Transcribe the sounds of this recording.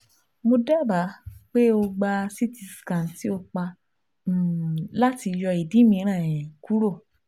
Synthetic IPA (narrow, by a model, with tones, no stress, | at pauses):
mo˧dɛ˦˨ba˨˦k͡pe˦o˧ɡ͡ba˧si˦ti˧˨skã˨n˨ti˨˦o˧k͡pa˧˨ | la˦ti˧jɔ˧i˨dĩ˨˦mĩ˧˦ɾ̃ã˦˨ɛ̃˨ku˦ɾo˦˨